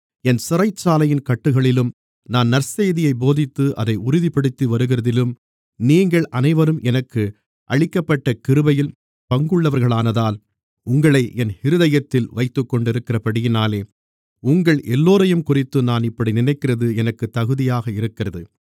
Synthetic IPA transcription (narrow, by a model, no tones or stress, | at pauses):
ɛnsɪrɐɪt͡ʃːaːlɐjɪnkɐʈːɯɣɐɭɪlɯm | naːnnɐɾseːðɪjɐɪboːðɪt̪ːɯʔɐ̰ðɐɪʊɾʊðipɐɽɯt̪ːiʋɐɾɯɣɪrɐðɪlɯm | niːŋɡɐɭʔɐnɐɪʋɐɾɯmɛnɐkːɯ | ʔɐ̰ɻɪkːɐpːɐʈːɐkɪɾɯbɐjɪl | pɐŋɡɯɭːɐʋɐɾɣɐɭaːnɐðaːl | ʊŋɡɐɭɐɪʔɛnhɪɾɯðɐjɐt̪ːɪlʋɐɪt̪ːɯkːɔɳɖɪɾɯkːɪrɐpɐɽɪjɪnaːleː | ʊŋɡɐɭʔɛlːoːɾɐjɯmkʊrɪt̪ːɯnaːnɪpːɐɽinɪnɐɪkːɪrɐðɯɛnɐkːɯt̪ːɐɣɯðɪjaːɣɐɪɾɯkːɪrɐðɯ